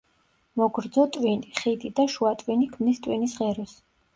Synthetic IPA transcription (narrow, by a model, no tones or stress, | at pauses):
mɔɡɾd̪zɔt̪ʼwiniχid̪id̪aʃuat̪ʼwinikʰmnist̪ʼwinisʁɛɾɔs